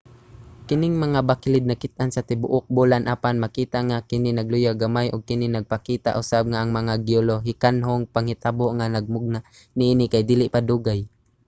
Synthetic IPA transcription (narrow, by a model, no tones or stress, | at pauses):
kɪnɪŋmaŋabakɪlɪd̪nakɪt̪̚ʔansat̪ɪbʊʔʊk̚bulanʔaːpanmakiːt̪aŋakɪnɪnaɡlʊjaɡamajʔʊɡ̚kɪnɪnaɡ̚pakiːt̪a̰ʔʊsab̚ŋaʔaŋmaŋaɡɪoloɦɪkanɦoŋpaŋhɪt̪aboʔŋanaɡ̚mʊɡ̚naʔ | nɪʔiːnɪkajd̪iːlɪʔpad̪uːɡaj